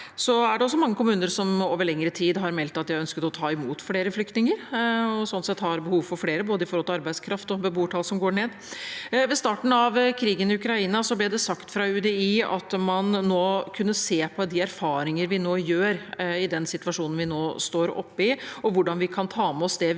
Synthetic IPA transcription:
sɔæɖɛɔsːɔmɑŋːəkʰʊmʉːnəɾsɔmoːʋəɭɛŋːəɾət̪ʰiːd̪ɦɑɾmɛlt̪ːɑt̪jæœnskət̪ɔt̪ʰɑːɪmuːt̪fleːɾəflʏkt̪nɪŋəɾɔsɔnsɛt̪ːhɑɾbəhuːʋfɔɾfɽeːɾəboːd̪əɪfɔɾhɔlt̪ʰɑɾbæɪskʰɾɑft̪ɔbəbuːʈʰɑːlsɔmɡoːɳeːd̪ | ʋɛst̪ɑːʈn̩ɑʋkʰɾiːɡənɪʉkɾɑiːnɑsɔblɪd̪ɛsɑkt̪fɾɑʉd̪ɛiːɑ̰t̪mɑnːoːkʰʉnːəseːpʰɔd̪ɪæɾfɑːɾɪŋəɾʋɪnoːjøːɾɪd̪ɛnsɪt̪ʋɑʂuːnn̩ʋɪnoːst̪oːɾɔ̰pːəɪɔʋʊɖɑnʋɪkʰɑnt̪ʰɑːmɛɔsd̪ɛ

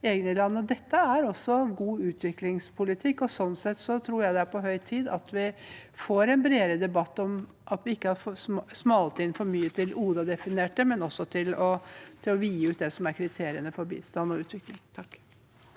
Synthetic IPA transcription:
eːɡənəlɑnːəɔd̪ɛt̪ːəæɾɔsːɔɡuːʉːt̪ʰʋɪklɪŋspʰʊlɪt̪ʰɪkːɔsɔnːsɛt̪ːsɔt̪ʰɾuːɾjæɪd̪ɛæɾpʰɔɦœʏt̪ʰiːd̪ɑt̪ʋɪfoːɾɛnbɾeːɾəd̪ɛbɑt̪ːɔm | ʔɑt̪ʋɪɪkːəhɑɾfsmɑːlt̪ʰɪnfɔɾmyːət̪ʰɪlʔuːd̪ɑd̪ɛfɪneːʈəmɛnɔsːɔt̪ʰɪlɔt̪ʰɪlɔʋiːʉːt̪̚d̪ɛsɔmæɾkʰɾɪt̪ʰeːɾɪənəfɔɾbḭːst̪ɑnːɔʉːt̪ʋɪklɪŋt̪ʰ

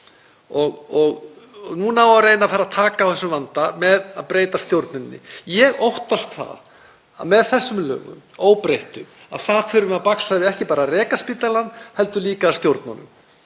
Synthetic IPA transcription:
ɔɣɔɣ | nunaːwawrejnafaɾaðt̪ʰaːkaːwθɛsʏmvant̪amɛðaðpɾeːjt̪ast̪jowɾt̪nʏnːɪ̰jɛɣowht̪ast̪θa̰ð | a̰mɛðθɛsːʏmlœ̰ːɣʏ̰moːwpɾejht̪ʏm | a̰ðθaðfʏːɾʏmɛaðpaksavɪðɛhcɪpaːɾarɛːkaspiːt̪alanːhɛlt̪ʏliːkaːst̪jowɾt̪na̰nʏ̰m

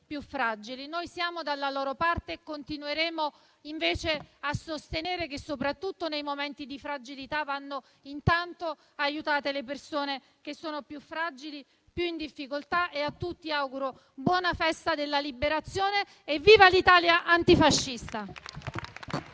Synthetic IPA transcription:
pjufːɾad͡ʒilinojsjaːmod̪alːaloːɾopart̪eːkːont̪inueɾeːmo | iɱveːt͡ʃeasːost̪eneːɾekesːopɾat̪ːut̪ːonejmomɛnt̪id̪ifɾad͡ʒilit̪avanːo | int̪ant̪o | ajut̪aːt̪elepersoːne | k̟esːoːnopjufːɾad͡ʒili | pjuind̪ifːikolt̪aʔeat̪ːut̪ːiawɡuɾo | bwɔːnafɛst̪ad̪elːalibeɾat̪sːjoːneː | vːiːvalit̪aːljaʔant̪ifaʃːist̪a

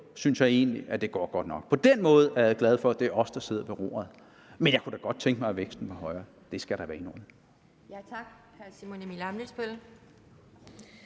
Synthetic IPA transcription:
synsjɑ̈ɪe̝̰ːnliʔæd̥e̝ɡ̥ɒ̰ːɡ̥ɒ̽d̥nɒ̽ɡ̥̚pʰɒ̽d̥enmɔ̽ːð̞̩ˠæɐjɑɡ̥lɛð̞ˠfɒ̽æd̥e̝ɒ̽fsd̥ɑse̝ð̞̰ˠɐʋe̝ʁo̝̰ːɐð̩ˠ | menjɑkʰud̥ɑɡ̥ɒ̽d̥̚t͡sʰeŋɡ̥mɑɪʋeɡ̥sd̥n̩ʋɑ̈hɒ̽ɪɐ | d̥e̝sɡ̥æɾ̥ɑʋæɐino̰ːn | jæt͡sʰɑɡ̥ | hæsimonemilɑmnisb̥el

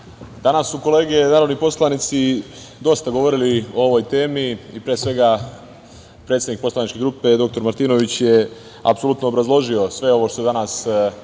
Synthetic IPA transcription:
d̪anasːuko̞le̞ːɡe̞naːɾoʋnipo̞slˠanit̪si | d̪o̞st̪aɡo̞ʋo̞ɾilio̞o̞ʋo̞jt̪e̞ːmiːpɾeːsʋe̞ɡa | pɾet̪sed̪nik̚po̞slanit͡ʃke̞ɡɾuːpe̞d̪o̞k̚t̪o̞ɾmaɾt̪iːno̞ʋit͡ɕje | a̰pso̞lut̪noːbɾazlˠo̞ʒio̞sʋe̞o̞ʋo̞ʃt̪o̞jd̪anas

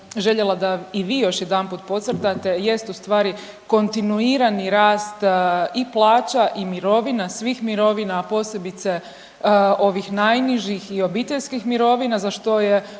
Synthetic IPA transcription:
ʒe̞ʎelˠad̪aiʋiːjo̞ʃjed̪anpuːt̪̚po̞t̪sr̩t̪at̪e̞je̞st̪ust̪ʋaːɾi | ko̞nt̪inuiːɾaniɾaːst̪iplˠaːt͡ɕaʔimiɾo̞ʋinasʋiːxmiɾo̞ʋinaːpo̞ːse̞bit̪se̞ | o̞ʋixnajniʒixio̞bit̪eʎskixmiɾo̞ʋinazaʃt̪o̞je

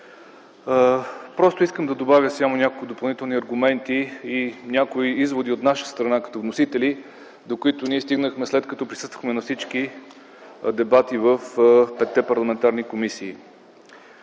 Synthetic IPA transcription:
pɾɔst̪ʊiskəmd̪ɐd̪obavʲjəsjamonʲakolˠkʊd̪opɐlˠnit̪ɛlˠniɐɾɡʊmɛnt̪iːnʲakoiizvod̪iot̪naʃə̥st̪ɾɐnakɐ̥t̪ɔvnosit̪ɛli | d̪okʊit̪ʊniɛst̪iɡnəxmɛslɛt̪kɐt̪ɔpɾisɤ̥st̪və̥xmɛnɐfsit͡ʃki | d̪ɛbat̪ivəfpɛt̪ːɛpɐɾlˠɐmɛnt̪aɾnikomisiː

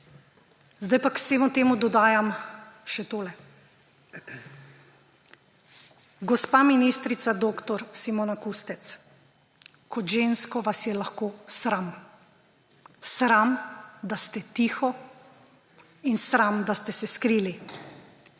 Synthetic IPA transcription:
zd̪ajpakseːmut̪eːmud̪ɔd̪aːjamʃɛt̪oːlɛ | ɡɔspaːminist̪ɾit̪sad̪oːkt̪ɔɾsimonakust̪ɛt̪s | kɔt̪ʒeːnskɔʋasjɛlaxkoːsɾam | sɾamd̪ast̪ɛt̪iːxɔ | insɾamd̪ast̪ɛsɛskɾiːli

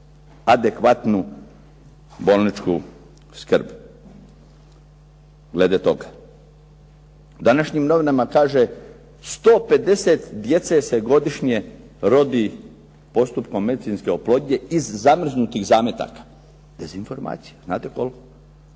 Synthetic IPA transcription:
ad̪e̞kʋat̪nu | bo̞lˠnit͡ʃku | skr̩b | ɡle̞d̪et̪o̞ɡa | d̪anaʃɲimno̞ʋinamakaːʒe | st̪o̞ːpe̞d̪e̞set̪d̪je̞t̪sese̞ɡo̞d̪iʃɲe̞ | ɾo̞d̪i | po̞st̪upkomːe̞d̪it̪sinske̞oplˠoɟɲe̞izːamr̩znut̪iɣzaːmjet̪a̰kḁ | d̪e̞zinfo̞ɾma̰ːt̪si̥jazna̰ːt̪eko̞lko

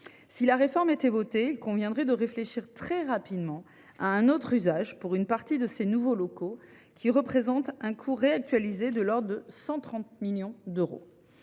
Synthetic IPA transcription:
silaʁefɔʁmet̪ɛvɔt̪eilkɔ̃vjɛ̃d̪ʁɛd̪əʁefleʃiʁt̪χɛʁapid̪mɑ̃ | aɛ̃not̪χyzaʒpuʁynpaʁt̪id̪əsenuvolɔko | kʲʰiʁəpχezɑ̃t̪ɛ̃kʰuʁeak̚t̪ɥalized̪əlɔʁd̪d̪əsɑ̃t̪χɑ̃t̪̚miljɔ̃d̪øʁo̰

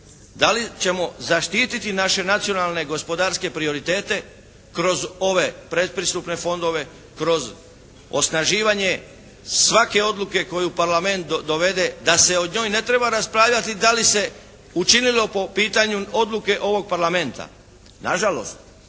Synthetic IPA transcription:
d̪alit͡ʃe̞mo̞zaʃt̪iːt̪it̪inaʃe̞nat̪sijo̞nalˠne̞ɡo̞spo̞d̪aɾske̞pɾio̞ɾit̪e̞ːt̪e̞ | kɾo̞zo̞ʋe̞pɾe̞t̪̚pɾist̪upne̞fo̞nd̪o̞ʋe̞ | kɾo̞z | o̞̰snaʒiːʋaɲe̞ | sʋake̞o̞d̪lˠuke̞ko̞jupaɾlame̞nt̪d̪o̞ʋe̞d̪e̞d̪ase̞o̞d̪ɲo̞ːjne̞t̪ɾe̞baɾaspɾaːʋʎat̪id̪alise̞ | ut͡ʃinilo̞po̞piːt̪aɲuo̞d̪luke̞ʔo̞ʋo̞ɡ̚paɾlame̞nt̪a̰ | naʒalo̞̰st̪

